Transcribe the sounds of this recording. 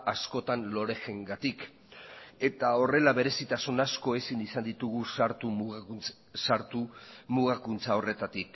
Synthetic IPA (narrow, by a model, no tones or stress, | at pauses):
ʔasko̞t̪anlo̞ɾe̞xe̞ŋɡat̪ik | e̞t̪ao̞re̞laβe̞ɾe̞sit̪asunasko̞e̞sinisand̪it̪uɣ̞uaɾt̪u | saɾt̪umuɣakunt͡sao̞re̞t̪at̪ik